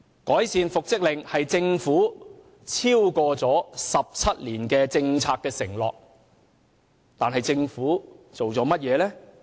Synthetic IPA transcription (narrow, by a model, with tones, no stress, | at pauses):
kɔː˨˥jsiː˨˧nfʊ˨k̚t͡sɪ˥k̚lɪ˨˩ŋhɐ˨jt͡sɪ˧ŋfuː˨˥ | t͡sʰiː˥wkɔː˧t͡sɔː˨˥sɐ˨p̚t͡sʰɐ˥t̚liː˨˩nkɛː˧t͡sɪ˧ŋt͡sʰaː˧kːɛː˧sɪ˨˩ŋlɔ̰ː˨k̚ | t̪aː˨nɦɐ˨jt͡sɪ˧ŋfuː˨˥t͡so˨wɔː˨˥mɐ˥t̚jɛː˨˧lɛː˥